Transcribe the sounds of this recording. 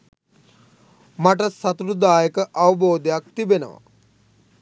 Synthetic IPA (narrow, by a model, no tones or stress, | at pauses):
maʈ̬əsɐt̪uɾud̪aːjəkəʔɐʋɐboːd̪ejakt̪ibenə̰ʋa̰